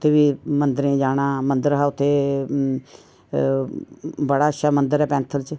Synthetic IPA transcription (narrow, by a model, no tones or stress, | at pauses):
t̪ʰːeːbiːmənd̪əɾẽd͡ʒaːɽ̃aːmə̃nd̪əɾɦaːʊt̪ʰːeː | bəɽaːəʃaːmə̃nd̪əɾɛːpɛ̃ːnt̪ʰəlt͡ʃ